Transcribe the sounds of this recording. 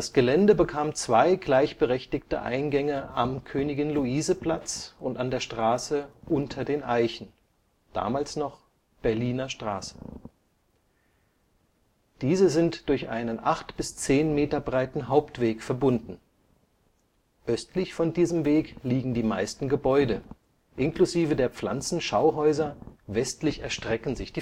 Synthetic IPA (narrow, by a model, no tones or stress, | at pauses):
d̥asɡ̥əlɛndəbəkʰaːmt͡sv̥aɪɡlaɪçb̥əʁɛçtɪktə̰ʔa̰ɪnɡɛŋəamkʰøːnɪɡɪnluiːzəpl̥at͡sʊntandeːɐʃtʁ̥aːsəʔʊntʰɐdeːnʔaɪçn̩ | d̥a̰ːmaːlsnɔχ | b̥ɛɐliːnɐʃtʁ̥a̰ːsə̥ | d̥iːzəzɪntd̥ʊɐçʔa̰ɪnənʔaχtb̥ɪst͡seːnmeːtɐbʁaɪtn̩ɦaʊptv̥eːkfɛɐbʊndn̩ | ʔœstlɪçfɔndiːzəmveːkliːɡŋ̩diːmaɪstn̩ɡəbɔʏdə | ʔɪnkluziːvədeːɐp͡fla̰nt͡sn̩ʃaʊɦɔʏzɐvɛstlɪçɛɐʃtʁ̥ɛkn̩zɪçd̥iː